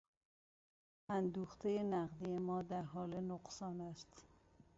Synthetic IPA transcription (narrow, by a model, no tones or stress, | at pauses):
ʔænd̪uːxt̪ʰejenæɣd̪ijemɒːd̪æɾɦɒːlenoɢsɒːnæst̪